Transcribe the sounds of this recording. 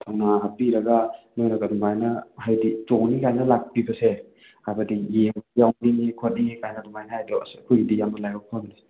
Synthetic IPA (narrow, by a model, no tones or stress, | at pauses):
tʰanaɦapiɾɐɡanojɾɐɡadumajnɐhajditoŋnikajnɐlak̚pibɐse | abadijejawniŋikʰot̚niŋikajnɐdumajnɐhajdɔ̰skʰujidijamɐlajɔkʰonni